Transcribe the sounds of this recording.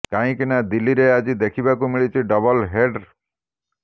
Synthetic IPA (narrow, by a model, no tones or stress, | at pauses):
kãĩkinad̪ilːiɾead͡ʒid̪ekʰibakumiɭit͡ʃʰiɖʌbɔlɦeɖ